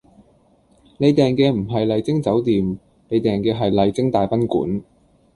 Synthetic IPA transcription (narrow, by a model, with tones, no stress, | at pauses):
ne˨˧jt̪ɛː˨˩ŋkɛː˧m̩˨˩ɦɐ˨jlɐ˨˧jt͡sɪ˥ŋt͡sɐ˨˥wt̪iː˨m | ne˨˧jt̪ɛː˨ŋkɛː˧ɦɐ˨jlɐ˨˩jt͡sɪ˥ŋt̪aː˨jpɐ˥nkuː˨˥n